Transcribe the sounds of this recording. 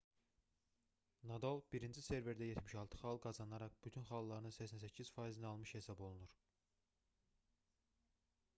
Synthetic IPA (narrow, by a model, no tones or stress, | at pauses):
nɑd̪olˠbiɾind͡ʒise̞ɾve̞ɾd̪æjet̪ʰmiʃɑlˠt̪ʰɯ̥χɑlˠɡɑzɑnɑɾɑχb̥yt̪ʰynχɑlˠːɑɾɯnɯsæçsænsæcʰːiz̥fɑjizinɑlˠmɯʃhe̞sɑbo̞lˠunuɾ